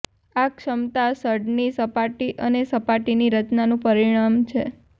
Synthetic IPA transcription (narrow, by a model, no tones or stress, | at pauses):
akʃəmt̪asəɾɖnisəpaʈiʔənesəpaʈiniɾət͡ʃnanũpəɾiɽ̃amt͡ʃʰe